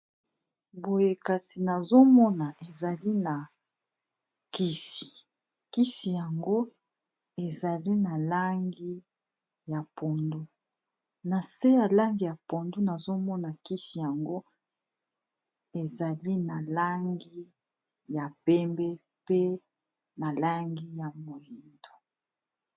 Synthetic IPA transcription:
bo˨je˦ka˨si˨na˨zo˦mɔ˦na˨ʔe˨za˨li˦na˨ | ki˦si̥˨ | ki˦si˨ja˨ŋɡo˦ | e˨za˨li˦na˨la˦ŋɡi˦ | ja˨pʰo˨ndu˦ | na˨se˦ja˨la˦ŋɡi˨ja˨po˨ndu˦na˨zo˦mɔ˦na˨ki˦si˨ja˨ŋɡo˦ | e˨za˨li˦na˨la˦ŋɡi˦ | ja˨pɛ˦mbɛ˦ | pe˦ | na˨la˦ŋɡi˦ja˨mo˨ji˨ndo̥˨

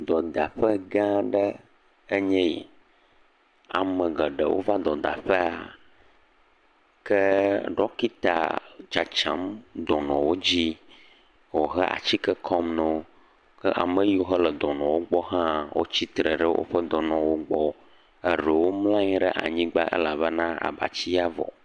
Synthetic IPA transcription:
d̪ɔ˨d̪a˨ɸə˦ɡã˦ɖə˦ | e˦ɲɛ̃˦jḭ˨ | a̰˨mə̃˨ɡə˨ɖə̰˨wo̰˦va˦d̪ɔ˨d̪a̰˨ɸɛ˦a˨ | kə˦ɖɔ˦ki˦t̪a̰˨d͡ʒa˨t͡ʃã̰˨˦md̪ɔ˨nɔ̃˨wo˦d͡ʑi˦ | wo˨ɦɛ˦ʔa̰˨t͡ɕi˦kɛ˦kʰɔ˦mnɛ˨wo˦ | kə˦ʔa̰˨mə˦ji˦wo˦ɦə˦lə˨d̪ɔ˨nɔ̃˨wo˦ɡ͡bɔ˦ɦã˦wʔo̰˦t͡ɕi˦t̪ɾə˨ɖə˦wʔo̰˦ɸə˦d̪ɔ˨nɔ̃˨wo˦ɡ͡bɔ˦ | e˦ɖə˨wo˦mlã˦ɲĩ˦ɖɛ˦˨ʔa̰˨ɲĩ˦ɡ͡ba˦ʔḛ˦la˨βə˦nã˦a̰˨ba̰˨t͡ɕi˦a˦vɔ̰˨

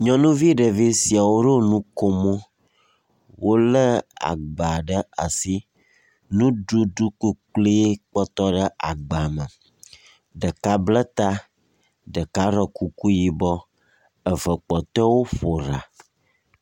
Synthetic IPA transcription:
ɲɔ̃˦nũ˦vi˦ɖə˨vi˦si˨a˨wo˦ɖo˦nũ˦ko˦mõ˦ | wo˦lə˦a̰˨ɡ͡ba˨ɖə˦a˨si˦ | nũ˦ɖu˦ɖu˦ku˦k͡ple˦k͡pɔ˦t̪ɔ˦ɖə˦ʔa˨ɡ͡ba˨mə˨ | ɖə˨ka˦blə˦t̪a˦ | ɖə˨ka˦ɾə˨ku˦ku˦ji˨bɔ˦ | ə˨və˨k͡pɔ˨t̪ɔ˦wo˦ɸo˨ɾa̰˨

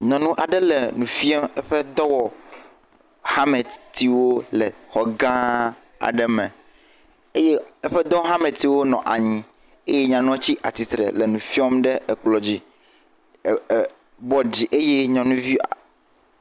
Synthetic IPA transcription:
ɲɔ̃˨nũ˦ʔa˨ɖɛ˦lɛ˨nũ˨fi˦ɔ˦mɛ˦ɸɛ˦d̪ɔ˦wɔ˨ | ha˦mɛ˨t̪i˨wo˦lɛ˨xɔ˨ɡã˦ | a̰˨ɖɛ˨mɛ̃˨ | e˦je˦ɛ˦ɸɛ˦d̪ɔ˦ɦa˦mɛ̃˨t̪i˨wo˦nɔ̰̃˨ʔa˨ɲĩ˨ | e˦jɛ˦ɲã˨nɔ̃˦t͡ɕi˦ʔa̰˨t̪i˨t̪ɾɛ̰˨lɛ˨nũ˨fi˦ɔ˦mɖɛ˦ɛ˨k͡plɔ˨d͡ʑi˦˨ | bɔ˦d͡ʑi˨ʔe˦je˦ɲɔ̃˨nũ˦vi˦a̰˨

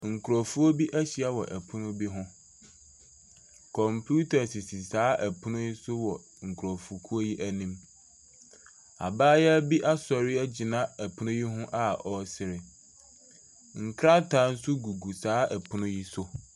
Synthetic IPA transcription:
ŋ̩˨kʰu˨ɾɔ˨fu˦o˦bi˦ʔæ˦ɕi˨a˦wɔ̰˨ʔæ˨pʰʊ˦nʊ̃˦bi˦ɦʊ̃˦ | kʰɔ̃˨mpʰju˦tʰa˨sɪ˨si˨saː˨˦ʔæ˨pʰʊ˦nʊ̃˦ji˦sʊ˦wɔ˨ | ŋ̩˨kʰu˨ɾɔ˨fu˨kʰu˦o˦ji˦ʔæ˦nĩ˦m | a̰˨baː˦jɛ˦æ˦bi˦ʔa˦sɔ˨ɾɪ˦æ˦d͡ʑi˨nã˦æ˨pʰʊ˦nʊ̃˦ji˦ɦʊ̃˦ʔa˦ɔ˨sɪ˨ɾɪ˨ | ŋ̩˨kʰɾa˦tʰa˨˦n̩˦sʊ˦ɡu˨ɡu˨saː˨˦æ˨pʰʊ˦nʊ̃˦ji˦sʊ˦

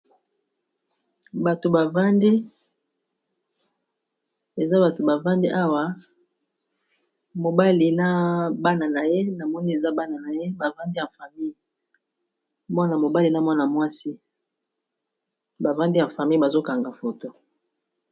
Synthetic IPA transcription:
ba˨to˨ba˨va˦ndi˦ | e˨za˦ba˨to˨ba˨va˦ndi˦ʔa˦wa˨ | mo˨ba˦li˨na˦ba˦na˨na˨je˦na˨mɔ˦ni˦e˨za˦ba˦na˨na˨je˦ba˨va˦ndi˦ja˨fa˨mi˦ji˨ | mɔ˦na˨mo˨ba˦li˨na˦mɔ˦na˨mwa˦si˦ | ba˨va˦ndi˦ja˨fa˨mi˦i˨ba˨zo˦ka˨ŋɡa˨fo˨to˦

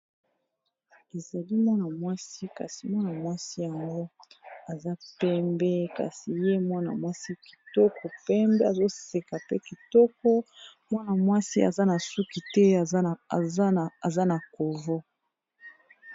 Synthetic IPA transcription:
e˨za˨li˦mwa˦na˨mwa˦si˦ka̰˨si˨mwa˦na˨mwa˦si˦ja˨ŋɡo˦a˨za˦pɛ˦mbɛ˦ka̰˨si˨je˦mwa˦na̰˨mwa˦si˦ki̥˨tɔ˦kɔ˨pɛ˦mbɛ˦a˨zo˦se˨ka˨pe˦ki˨tɔ˦kɔ˦mwa˦na˨mwa˦si˦a̰˨za˦na˨su˦ki˨tɛ˦˨˦ | a˨za˦na˨ko˨vo˦

